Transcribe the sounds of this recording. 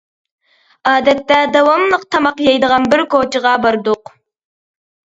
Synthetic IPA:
ɑːd̪ɛt̪ːɛd̪ɑwɑmlˠəq̚t̪ʰɑmɑqjɑjd̪əʁɑnbɪɾkot͡ʃəʁɑbɑɾd̪oq

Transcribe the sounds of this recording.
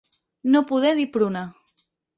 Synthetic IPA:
nopuðeðipɾuna

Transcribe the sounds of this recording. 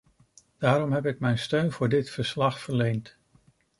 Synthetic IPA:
d̥aːɾɔmɦɛpɪkmɛjnstøɥnvʊːɹdɪtfəɹslɑχfəɹlejnt

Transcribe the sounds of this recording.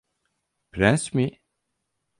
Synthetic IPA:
pɾɛnsmi

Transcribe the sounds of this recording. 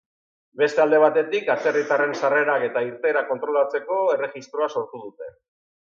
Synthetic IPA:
be̞st̪e̞ald̪e̞β̞at̪e̞t̪ikat͡ʃe̞rit̪are̞nsare̞ɾake̞t̪aiɾt̪e̞ːɾako̞nt̪ɾo̞lat͡se̞ko̞e̞re̞ɣist̪ɾo̞aso̞ɾt̪uð̞ut̪e̞

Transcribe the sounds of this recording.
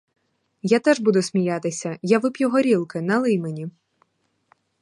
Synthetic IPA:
jat̪ɛʒbud̪ʊsʲmʲijat̪ɪsʲɐjaʋɪpʲjʊɦɔɾʲilˠkɪnɐlˠɪjmenʲi

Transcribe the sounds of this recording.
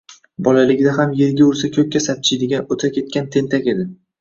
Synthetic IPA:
bɒlalɪɡʲd̪aɦamje̞ɾɡʲaʊɾsakʲʰɵk̚ʲːasap̚t͡ʃʰɪ̥d̪ɪɡʲanot̪ʰakʲe̞t̪̚kʲant̪ʰe̞nt̪ʰakʲe̞d̪ɪ

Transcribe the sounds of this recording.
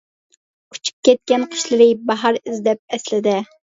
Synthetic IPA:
u̥t͡ʃʰy̥p̚kʲɛt̪̚kʲɛnqʰə̥ʃlɨɾɪbɑɦɑɾɪzd̪ɛp̚ɛslɪd̪ɪ

